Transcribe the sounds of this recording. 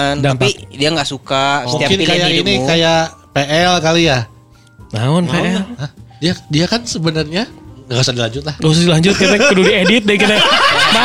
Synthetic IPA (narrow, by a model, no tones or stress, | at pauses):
dampadiaŋɡaʔsukamukɪnkajainikajaʔpeʔɛlkalija | maɔnmpeɛləhdiadiakansəbənərɲaŋɡausadilaɲd͡ʒʊt̪̚lahɡaus̬adilaɲd͡ʒʊt̪̚kit̪ɛkədudiedɪt̪̚dɛkit̪ɛma